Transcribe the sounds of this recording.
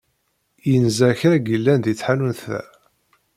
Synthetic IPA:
jənzæçɾæɡilːænd̪jit͡sːħanunθæ̰

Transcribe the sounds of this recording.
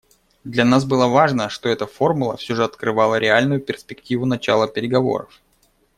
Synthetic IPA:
d̪lʲɐnasbɨlˠəvaʐnəʂt̪o̞ɛt̪əfo̞rmʊlˠəfsʲoʐɨɐt̪kɾɨvalˠəɾʲɪalʲnʊjʊpʲɪrspʲɪktʲivʊnɐt͡ɕalˠəpʲɪɾʲɪɡɐvo̞̰ɾə̰f

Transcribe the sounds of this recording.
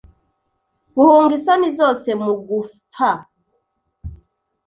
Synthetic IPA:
kuhoŋɡisanizɔsɛmuɡu | fa

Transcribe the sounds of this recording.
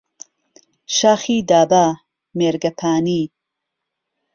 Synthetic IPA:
ʃaːxiːd̪aːbaː | meːɾɡɐpʰaːniː

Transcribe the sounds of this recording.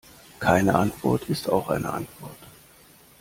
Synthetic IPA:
kʰaɪnəʔantv̥ɔ̰ɐtʰɪsta̰ʊxʔa̰ɪnʔə̰ʔa̰ntv̥ɔɐt

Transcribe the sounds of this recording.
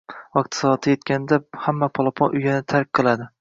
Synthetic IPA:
ɒkt̪ʰsɒɒt̪ʰɪjet̪kʲanɪd̪ahamːapʰɒlˠɒpʰɒnʔʊjanɪt̪ʰaɾk̚ʲqʰɨlˠad̪ɪ

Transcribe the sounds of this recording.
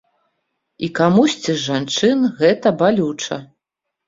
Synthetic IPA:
ikamusʲt͡sʲiʐant͡ʂɨnɣɛt̪ɐbalʲut͡ʂɐ

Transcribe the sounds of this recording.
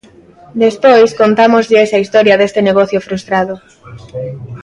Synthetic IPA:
d̪espojskont̪amozʎɪesɐist̪ɔɾjɐðest̪ɪneɣɔθjofɾust̪ɾaðʊ

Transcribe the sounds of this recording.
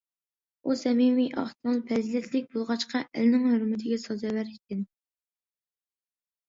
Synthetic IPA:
usɛmimiʔɑ̰χt̪ʰɨlˠpʰɛzilɛt̪ʰlɪk̚ʲbolˠʁɑt͡ʃqʰɑʔæ̰lnɪŋhøɾmɪt̪ʰɪɡʲɛsɑzɛwæɾit̪ʲʰɪn

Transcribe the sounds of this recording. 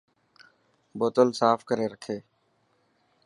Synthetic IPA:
boːt̪əlsaːfkəɾeːɾəkʰeː

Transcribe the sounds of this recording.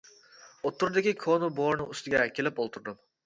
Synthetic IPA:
ot̪ʰːuɾd̪ɪkʲikʰonuboɾnɨŋyst̪ɪɡʲɛkʲʰelɪpolˠt̪ʰuɾd̪ɨm

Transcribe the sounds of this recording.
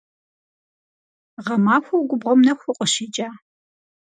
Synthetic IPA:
ʁɐmaːxʷɐwɡʷʊbʁʷɔmnɐxʷʊqʼəʃiːt͡ʃʼaː

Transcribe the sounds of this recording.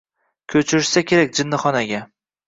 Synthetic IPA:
kʲʰɵt͡ʃʰɪɾɪʃsakʲʰe̞ɾakʲd͡ʒɪnːɨχɒnaɡʲa

